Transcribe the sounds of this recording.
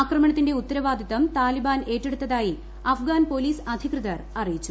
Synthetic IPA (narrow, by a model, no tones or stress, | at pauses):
aːkrɐmɐɳɐt̪ːinde̞ut̪ːɐɾɐʋaːd̪ʱit̪ːɐmt̪aːlibaːne̞ːʈːe̞ɽut̪ːɐðaːji | ɐfɡaːnpo̞ːliːsɐd̪ʱikrɨðɐrɐrijit͡ɕːu